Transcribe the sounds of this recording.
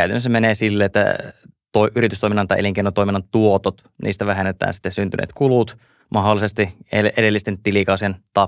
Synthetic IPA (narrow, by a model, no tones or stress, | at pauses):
æyt̪ænːsemeneːsilːeet̪ːæ̰ | t̪oiʔyɾit̪yst̪oiminːɑnt̪ɑiʔeliŋkeinont̪oiminːɑnt̪uot̪ot̪ | nʔḭːst̪æʋæɦenːet̪æ̰ːnsi̥t̪ːesynt̪ynḛːt̪kulut̪ | mɑɦolːˑisest̪ieʔeɾelːist̪ent̪ilikɑˑusent̪ɑ